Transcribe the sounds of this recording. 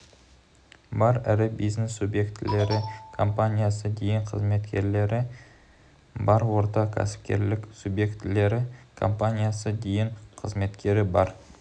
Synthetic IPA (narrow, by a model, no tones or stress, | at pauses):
bɑɾæ̰ɾɪbijzne̞sːubje̞kt̪ɪle̞ɾɪkʰo̞mpanʲijasəd̪e̞jɪɴqʰəzme̞t̪kʲʰe̞ɾle̞ɾʔɪ | bɑɾwo̞ɾt̪ɑkʲʰæ̰sɪ̥p̚kʲe̞̰ɾlɪksubje̞kt̪le̞ɾɪkʰo̞̰mpanʲijasəd̪ejɪɴqʰəzme̞t̪kʲe̞ɾɪbɑɾ